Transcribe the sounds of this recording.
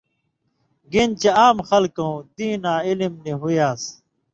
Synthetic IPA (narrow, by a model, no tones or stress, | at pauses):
ɡint͡ɕeaːmxɐlkõd̪ĩːnãːilimniɦujaːs